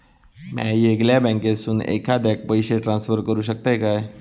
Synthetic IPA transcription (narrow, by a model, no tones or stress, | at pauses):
ma̰jeɡljabɛ̃ŋkesuːnḛkʰad̪ɛk̚pəjɕeʈɾãnsfəɾkəɾuːɕək̚t̪ajkaj